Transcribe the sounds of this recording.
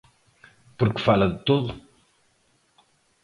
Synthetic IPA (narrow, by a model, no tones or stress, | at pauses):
puɾkɨ̥falɐðɨt̪oðu